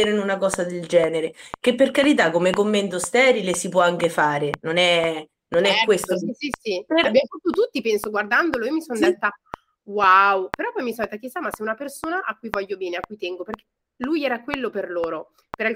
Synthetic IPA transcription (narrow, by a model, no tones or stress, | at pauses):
eɾenunakɔːzad̪eld͡ʒɛːneɾek̟epːerkaɾit̪̬akːomekomːent̪ost̪ɛːɾilesipwɔaŋk̟efaːɾenonɛ | nonɛkːwest̪oisisipbjamofat̪ːut̪ut̪ːipɛnsoɡward̪and̪oloiːomisond̪et̪ːa | wawpeɾɔpːɔjmisond̪et̪akisːamasɛunapersoːnaʔakːujvɔʎːobɛːneakːujt̪ɛŋɡoperke̥ | lujɛːɾakwelːoperloːɾo | peɾa